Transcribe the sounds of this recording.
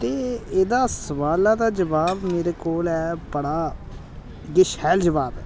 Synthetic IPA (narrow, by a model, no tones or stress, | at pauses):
t̪eːeːd̪aːsəʋaːlãːd̪aːd͡ʒəʋaːbmeːɾeːkoːlɛːbəɽaː | ɡɪʃhɛːld͡ʒəʋaːbɛː